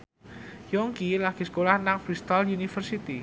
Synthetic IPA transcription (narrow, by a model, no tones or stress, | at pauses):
jɔŋkilaɡ̥iskolahnaŋfɾist̪ɔljunifərsit̪i